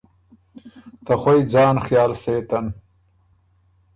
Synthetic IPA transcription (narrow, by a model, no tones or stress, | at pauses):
t̪ɐxwojd͡zaːnxjaːlseːt̪ɐn